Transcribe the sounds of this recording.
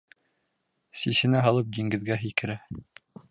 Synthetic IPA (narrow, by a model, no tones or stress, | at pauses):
sisɘ̆næɦɑlˠɤp̚d̪iŋɡɘ̆ðɡæɦikɘ̆ɾɘ